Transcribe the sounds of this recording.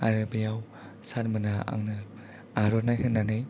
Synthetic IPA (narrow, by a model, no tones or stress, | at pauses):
aɾɯbijaw | saɾmɯnaa̰ŋnɯ | aɾɔnajhɯnːanɯj